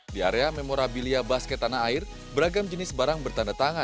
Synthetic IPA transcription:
diaɾeamemoɾabiliabaskɛt̪anaːɪr | bəɾaɡamd͡ʒənɪsbaɾaŋbərt̪andat̪aŋa

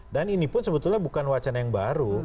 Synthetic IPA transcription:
daninipʊnsəbət̪ʊlɲabukanwat͡ʃanajaŋbaɾu

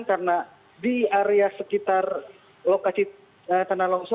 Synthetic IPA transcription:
nkarna | diaɾeasəkit̪ar | lokasi | ət̪analɔŋsɔ

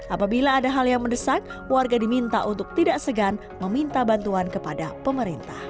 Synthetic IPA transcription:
ʔapabilaːdaɦaljaŋməndəsaŋ | warɡadimint̪aʔunt̪ʊk̚t̪idaʔsəɡan | məmint̪abant̪uankəpadapəməɾint̪ah

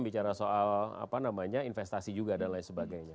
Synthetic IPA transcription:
mbit͡ʃaɾasoala̰panamaɲainfɛst̪asid͡ʒuɡadanlaɪnsəbaɡajɲa

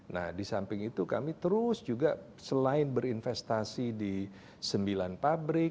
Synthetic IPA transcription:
na̰hdisampɪŋit̪uka̰mit̪əɾʊsd͡ʒuɡa | səlaɪnbəɾinfɛst̪asidi | səmbilanpabɾɪk̚

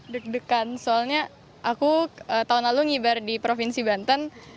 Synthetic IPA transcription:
dək̚dəkansoalɲa | ʔakuət̪aɦunlaluŋibardipɾofinsibant̪ən

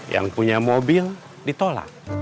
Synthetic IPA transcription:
ja̰ŋpuɲamobil | dit̪ɔla̰k

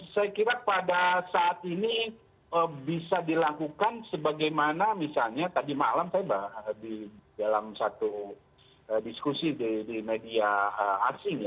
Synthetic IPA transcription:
sajakiɾapadasaʔːt̪ini | əbisadilakukansəbaɡajmanamisalɲat̪adimalamsajabaədidalamsat̪u | ədiskusididimediaəːsɪŋja

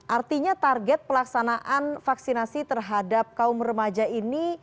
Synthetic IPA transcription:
ʔart̪iɲat̪arɡɛt̪̚pəlaksanaʔanfaksinasit̪ərɦadap̚kaʊmrəmad͡ʒaini

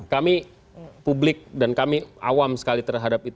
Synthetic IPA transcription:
kami | publɪk̚dankamiʔa̰wamsə̥kalit̪ərɦadap̚it̪

